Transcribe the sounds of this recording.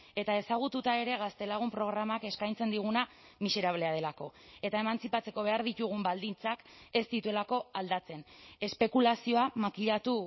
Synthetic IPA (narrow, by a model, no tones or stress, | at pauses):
e̞t̪ae̞saɣ̞ut̪ut̪ae̞ɾe̞ɣast̪e̞laɣ̞umpɾo̞ɣ̞ɾamake̞skajnt͡se̞nd̪iɣuna | mise̞ɾaβ̞le̞að̞e̞lako̞e̞t̪ae̞mant͡sipat͡se̞ko̞β̞e̞aɾðit̪uɣ̞umbald̪int͡sake̞st̪it̪ue̞lako̞ald̪at͡se̞ne̞spe̞kulasio̞amakiʎat̪u